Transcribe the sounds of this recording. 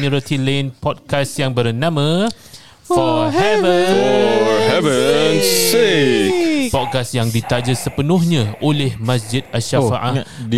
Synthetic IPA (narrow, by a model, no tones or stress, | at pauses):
miɾat̪ʰilenpɔd̚kasjaŋbərnãmã | fɔhɛvə | hɛvənsekpɔd̚kasjaŋdit̪ad͡ʒəsəpənʊhɲãʔolɛhmãs̬d͡ʒɪd̪̚aʃafaʔa